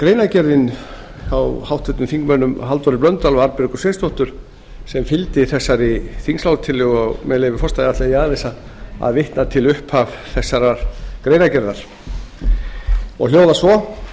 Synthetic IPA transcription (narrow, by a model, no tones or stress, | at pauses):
kɾeːjnacɛɾðɪn | awhawht̪ɛt̪ʏmfiŋkmœːnʏmɦalt̪vɔɾɪplœnt̪ːalɔaɾpɪɾkʏ̥seːnst̪ʰɔht̪ʏɾ̥ | sɛmfɪlt̪ɪθɛsːaɾiθiŋslawt̪ʰɪlʏɣɔɣmɛðleːvɪɾfɔst̪aɪat̪lɪaiaðalejsa | a̰ðvɪht̪nat̪ʰɪlʏhpavθɛsːaɾaɾ̥kɾeːjnacɛɾðaɾ̥ | ɔ̰ɣljoːwðasvɔ